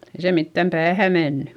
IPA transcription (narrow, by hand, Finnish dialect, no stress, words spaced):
ei se mitːæm pæːhæ menːy